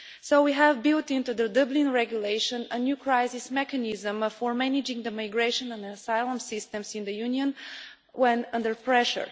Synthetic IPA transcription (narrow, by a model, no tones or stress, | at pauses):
soʊwiɦævbɪlˠtɪ̃nt̪ud̪ədʌblĩnɹɛɡjuleɪʃə̃nənjukʰɹaɪsɪsmɛkənɪzə̃mfɔɹmænɪd͡ʒɪ̃ŋd̪əmaɪɡɹeʃə̃nə̃nsaɪlˠə̃msɪst̪ɛ̃msɪ̃nd̪əjuniə̃n | wɛ̃nʌ̃ndəɹpɹɛʃə̰ɹ